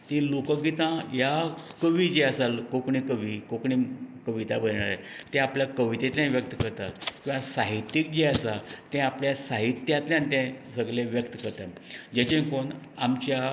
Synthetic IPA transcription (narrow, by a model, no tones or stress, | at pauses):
t̪ĩlokəɡit̪ãjakəʋiːd͡ʑeasalkokɳikəʋikokɳikəʋit̪abəɾɳ̃aɾa | t̪ɛ̃apljakəʋit̪et̪ljãnʋjək̚t̪əkəɾt̪akĩw̃ʋãsaɦit̪jik̚d͡ʑeasat̪ɛ̃apljasaɦit̪jãt̪ljãnt̪ɛ̃səɡleʋjəkt̪əkəɾt̪ad͡ʑet͡ɕẽkoɳ | amt͡ɕja